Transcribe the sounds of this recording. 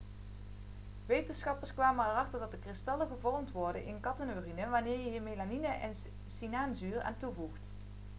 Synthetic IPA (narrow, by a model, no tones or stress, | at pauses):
ʋejtənsχɑpəɹskʋaːmənərɑχtəɹdɑt̚dəkrɪstɑləɣəvɔrmtʋɔɹdənʔɪ̰nkɑtənorinəʋaːnɪːɹjəɦəmelaninəʔɛn | sinaːnzyːra̰ːntuvuxt